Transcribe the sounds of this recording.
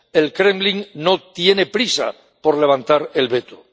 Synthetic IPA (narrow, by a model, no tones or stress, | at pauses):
e̞lkɾe̞mbliŋno̞t̪je̞ne̞pɾisa̰ | po̞ɾle̞β̞ant̪aɾe̞lβe̞t̪o̥